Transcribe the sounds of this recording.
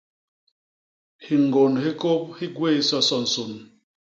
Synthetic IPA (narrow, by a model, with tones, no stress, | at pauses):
hi˨ŋ˨ɡo˨nɦi˦ko˦p̚hi˦ɡwe˦˨˦sɔ˦sɔ˦˨n̩˨so˨n